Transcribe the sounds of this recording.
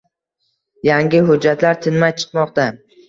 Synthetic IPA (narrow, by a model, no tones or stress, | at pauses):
jaŋɡʲɪɦʊd͡ʒːat̪ʰlaɾt̪ʰɪnmajt͡ʃʰɨ̥qmɒqt̪a